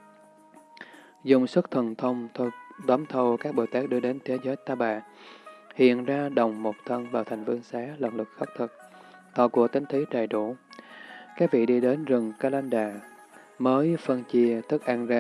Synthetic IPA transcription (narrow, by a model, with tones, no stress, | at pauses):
zʊ̰˨˩ŋ͡msə˦˥t̚t̪ʰə˨˩nt̪ʰə˧wŋ͡mt̪ʰɗ̪ə˨˦mt̪ʰə˧wkaː˦˥k̚ɓo̰˧˩jt̪aː˦˥k̚ɗɨ˧əɗe˨˦nt̪ʰe˨˦zəː˨˦jt̪aː˧ɓa̰ː˧˨ | hḭ˧˨ənzaː˧ɗə˨˩wŋ͡mmo˨˩t̚t̪ʰə˧nvaː˨˩wt̪ʰa˨˩jŋ̟vi˧ənsaː˨˦lə̰˧˩nlɨ˨˩k̚xə˦˥k͡p̚t̪ʰɨ˨˩k̚ | t̪ɔ˨˩ku˨˩ət̪ï˨˦ŋ̟t̪ʰi˨˦t͡ɕa˨˩jɗu˧˩˨ | kaː˦˥k̚vḭ˧˨ɗi˧ɗe˨˦nzɨ˨˩ŋkaː˧˩laː˧nɗaː˨˩ | məː˨˦jfə˧nt͡ɕi˧ət̪ʰɨ˦˥k̚ʔaː˧nzaː˧